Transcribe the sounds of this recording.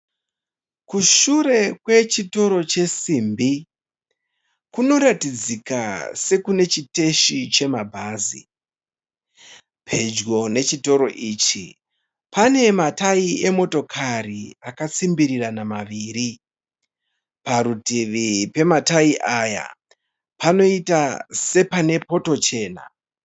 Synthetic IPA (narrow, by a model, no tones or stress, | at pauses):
kuʃure̞kwe̞t͡ʃito̞ɾo̞t͡ʃe̞siːmbi | kuno̞ɾatid͡zika̰se̞kune̞t͡ʃite̞ʃit͡ʃe̞mabʱaːzḭ | pʰe̞d͡ʒɡo̞ne̞t͡ʃito̞ɾo̞ʔiːt͡ʃi | pʰane̞mataie̞mo̞to̞kʰariakat͡simbiɾiranamaʋiːɾi | paɾutiʋipe̞mataiʔaja̰ | pano̞itase̞pane̞po̞to̞t͡ʃe̞ːna̰